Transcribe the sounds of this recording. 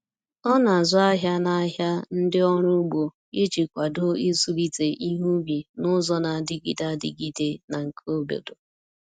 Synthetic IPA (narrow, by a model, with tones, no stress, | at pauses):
ɔ˦na˨zʊ˦a˦ɦja˦na˦ɦja˦n̩˦dɪ˦ɔ˦ɾʊ˦ɡ͡bo˨ | i˦t͡ʃi˨kʷa˨do˦i˦su˦li˦te˨ʔi˦ɦu˦bi˨nʊ˦zɔ˦na˨dɪ˦ɡḭ˨da˦dɪ̰˦ɡi˦de˦na˨ŋ̩˨kʰo˦bḛ˨do˨